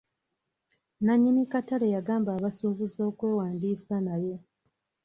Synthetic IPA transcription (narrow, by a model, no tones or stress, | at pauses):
naɲːinikatalejaɡaːmbaːβasuːβuzo̞ːkwe̞ːwaːndiːsanaje̞